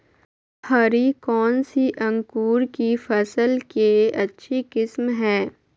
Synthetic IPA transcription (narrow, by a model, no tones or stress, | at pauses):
hɐɾikɔːnsiʔɐ̃ŋkuːɾkifʰɐsəlkeɐtːʃʰikɪsmɦɛ̃ː